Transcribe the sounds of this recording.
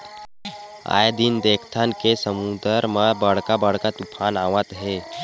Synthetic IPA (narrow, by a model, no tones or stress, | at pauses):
a̰jd̪ind̪ekʰt̪ʰankesəmud̪əɾməbəɽkabəɽkat̪upʰanaʋət̪ɦe